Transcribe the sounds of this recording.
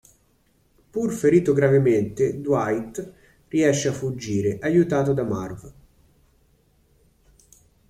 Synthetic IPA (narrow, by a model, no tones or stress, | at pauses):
purfeɾiːt̪oɡɾavement̪ed̪wajt̪ | riɛʃːeafːud͡ʒːiːɾeʔajut̪aːt̪od̪ama̰rv